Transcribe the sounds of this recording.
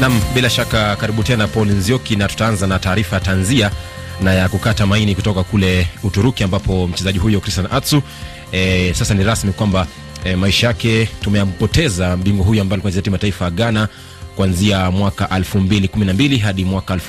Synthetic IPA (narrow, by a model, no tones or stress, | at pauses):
namɓilaʃakakaɾiɓutɛnapɔlinziɔkinatu̥taanzanataːɾifajatanzia | najakukatamainikutɔkakulɛutuɾukiambapɔm̩t͡ʃɛzaʄiɦujɔkɾistanʔatsu | sasaniɾasmikwamba | maiʃajakɛtumɛjapɔtɛzam̩biŋɡɔɦujuambalikwanziatimataifaaɠana | kuanziamwakaʔalfumbilikuminambiliɦaɗimwakaalf